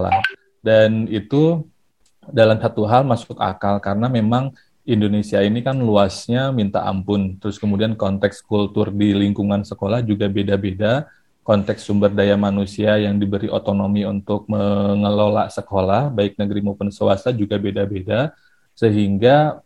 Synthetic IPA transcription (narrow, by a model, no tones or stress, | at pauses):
la̰ | danit̪u | dalamsat̪uɦalmasʊka̰kalkaɾənamemaŋ | indonesiainikanluasɲamint̪a̰ʔa̰mpʊnt̪əɾʊskəmudiankɔnt̪ɛkskult̪ʊrdiliŋkuŋansəkolahd͡ʒuɡabedabeda | kɔnt̪ɛksːumbərdajamanusiajaŋdibəɾiʔo̰t̪onomiunt̪ʊk̚məŋəlola̰ʔsəkolahbaɪk̚nəɡəɾimopʊnsəwa̰sad͡ʒuɡabedabeda | səɦiŋɡa